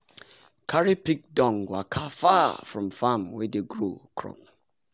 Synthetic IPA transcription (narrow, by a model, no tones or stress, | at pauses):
kʰaɹipik̚dɔ̃ŋɡwa̰kʰafafɹɔ̃mfamwɛdeɡɹokʰɹɔ̰p̚